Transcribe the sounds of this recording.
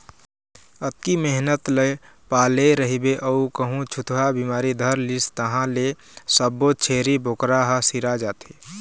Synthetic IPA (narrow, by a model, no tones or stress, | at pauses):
ət̪̚kimeɦnət̪ləj | paːleɾəɦibeʔəukəɦũt͡ʃʰut̪ʰɦabimaːɾid̪ʱəɾlist̪əɦãle | səbːot͡ʃʰeːɾiboːkɾaɦəsiɾad͡ʒaːt̪e